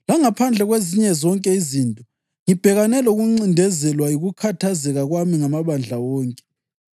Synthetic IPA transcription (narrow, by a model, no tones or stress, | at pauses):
laŋapʰand͡ɮʱɛɣweziɲɛzɔŋkʼɛizintʼɔ | ŋib̥ʱɛɣanɛlouɣuŋ͡ǀindʱɛzɛlwajiɣukʰatʰazɛɣaɣwamiŋamaβand͡ɮʱawɔːŋkʼɛ̥